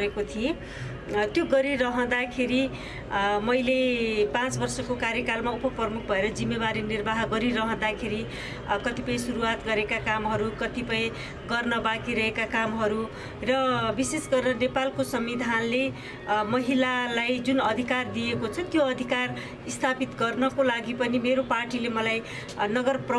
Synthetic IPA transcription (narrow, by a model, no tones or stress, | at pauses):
ekot̪ʰiẽ | t̪joɡʌɾiɾʌɦʌ̃d̪akʰeɾi | mʌjlepãt͡sbʌrsʌkokaɾjʌkalmaupʌprʌmuk̚ʰbʱʌeɾʌd͡zimːebaɾinirbaɦɡʌɾiɾʌɦʌ̃d̪akʰeɾi | kʌt̪ipʌj̃suɾuat̪ɡʌɾekakamɦʌɾukʌt̪ipʌj̃ | ɡʌrnʌbakiɾʌɦekakamɦʌɾu | rʌbisesɡʌrnʌnepalkosʌmbid̪ʱanle | mʌɦilalajd͡zunʌd̪ʱikard̪ijekot͡sʰʌtjoʌd̪ʱikar | ist̪ʰapit̪ɡʌrnʌkolaɡipʌnimeɾoparʈilemʌlaj | nʌɡʌrpr